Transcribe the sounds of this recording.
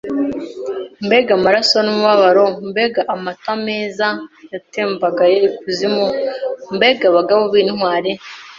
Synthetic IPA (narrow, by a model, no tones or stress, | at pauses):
mbeɡamaɾasonumuβaβaɾombeɡaʔamatameːzajateːmbaɡajekuzimombeɡaβaɡaβoβiːnwaːɾe